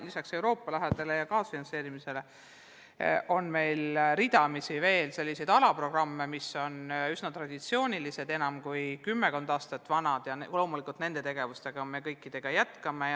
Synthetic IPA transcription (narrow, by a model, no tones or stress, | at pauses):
lisɑkse̞wɾo̞ːpːˑɑlæɦed̪̥e̞le̞jɑkɑːsfinɑnse̞ːɾimise̞le̞ | ʔo̞nme̞jlɾid̪ɑmisive̞ːlse̞lʲːisejd̪̥ɑlɑpro̞ɡ̥rɑmːe̞miso̞nysnɑt̪ɾɑd̪̥it̪sio̞ːnʲilise̞d̪̥e̞nɑmkujkymːekond̪ɑːst̪ɑt̪ːˑvɑnɑd̪̥jɑnlo̞ːmulikːˑult̪ne̞nd̪e̞t̪e̞ɡ̥e̞vust̪e̞ɡ̥ɑme̞kɤjkːˑid̪̥e̞ɡ̥ɑjæt̪ˑkɑme